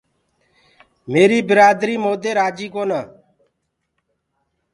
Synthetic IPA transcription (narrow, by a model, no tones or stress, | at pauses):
meːɾiːbɪɾaːd̪ɾiːmoːd̪eːɾaːd͡ʒiːkoːnaː